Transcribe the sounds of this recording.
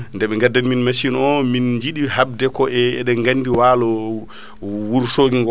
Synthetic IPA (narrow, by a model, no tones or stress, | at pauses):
ndɛɓɛŋɡadːanminmasinɔmind͡ʒiɗihab̚dɛkɔʔɛɛ̰ɗɛŋɡanːdiwaːlɔ | wuɾsoɡiŋɡɔ